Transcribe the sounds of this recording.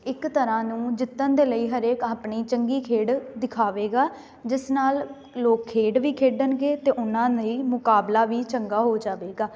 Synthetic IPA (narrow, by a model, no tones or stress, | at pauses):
ɪkt̪əɾãːnũːd͡ʒɪt̪ːənd̪eːləiːɦəɾeːkaːpɳiːt͡ʃəŋɡiːkʰeːɖd̪ɪkʰaːʋeːɡaː | d͡ʒɪsnaːl | loːkʰːeːɖʋiːkʰeːɖənɡeːt̪eːʔʊnãːniːmʊkaːblaːʋiːt͡ʃəŋɡaːɦoːd͡ʒaːʋeːɡaː